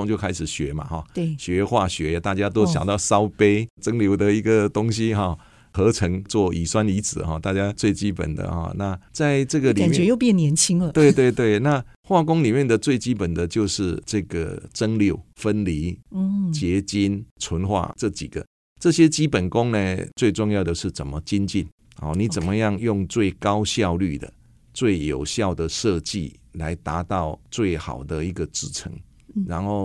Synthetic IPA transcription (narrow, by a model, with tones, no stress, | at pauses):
ŋt͡ɕjo˥˧kʰa˥ɪʂɻ̩˨˩ɕɥɛ˧˥ma̰˨xɔ̰˨˩˥ɕɥɛ˧˦xwa˥˩ɕɥɛ˧˥˨t̪a˥˩t͡ɕja˦˥t̪̬o˥˦ʊjɑ̰˨˩ŋt̪ɑ˥˨ʊsɑ˦ʊpe˥ɪʈ͡ʂə˦ŋljo˧˥ʊd̪ə˨i˧˥ɡə˨t̪ʊ˥ŋɕi˧xɔ˥˨˩ | xɤ˧˦ʈ͡ʂʰə˧˥ŋt͡swɔ˥˩i˨˩swa˥˦ni˧˥t͡sɹ̩˨˩xɔ˥˨t̪a˥˩t͡ɕja˦t͡swe˥˩ɪt͡ɕi˦pə̰˨˩nd̪ə̰˩xɔ̰˥˩na˥˧t͡sa˥˧ɪʈ͡ʂɤ˥˩ɡə˨lia˨nt͡ɕɛ˧˦jo˥˧ʊpjnjɛ˧˥nt͡ɕʰi˥ŋlə˧t̪we˥˧ɪt̪we˥˧ɪt̪we˥˩ɪna˥˧ | xwa˥˩kʊ˦ŋli˨˩mjnd̪ə˨t͡swe˥˩ɪt͡ɕi˥pə˨˩nd̪ə˨˩t͡ɕjo˥˧ʊʂɻ̩˥˧ʈ͡ʂɤ˥˧ɡə̰˩ʈ͡ʂə˦ŋljo˥˩ʊfə˦˥nli˨˧˥t͡ɕjɛ˧˥t͡ɕi˦˥nt͡sʰwə˧˦nxwa̰˥˧ʈ͡ʂɤ˥˩t͡ɕḭ˨˩ɡ̥ə̰˨ | ʈ͡ʂɤ˥˧ɕjɛ˦t͡ɕi˦˥pə˨˩nkʊ˦ŋne˨t͡swe˥˧ɪʈ͡ʂʊ˥˧ŋjɑ˥˩ʊd̪ə˧ʂɻ̩˥˩t͡sə˨˩nmə˦t͡ɕi˦nt͡ɕi˥˨n | ɔ̰˨˩nĩ˨˦t͡sə˨˩nmə˦ja˥˧ŋjʊ˥˧ŋt͡swe˥˩ɪkɑ˦ʊɕjɑ˥˧ʊly˥˨d̪ə̰˩ | t͡swe˥˩ɪjo˨˩ʊɕjɑ˥˨ʊd̪ə˩ʂɤ˥˧t͡ɕḭ˥˨ | la˧˦ɪt̪a˧˥t̪ɑ˥˧ʊt͡swe˥˩ɪxa̰˨˩ʊd̪ə˦i˧˥ɡə˨t͡sɻ̩˥˩ʈ͡ʂʰə̰˧˦ŋ | ɻa˧˦nxo˥˩ʊ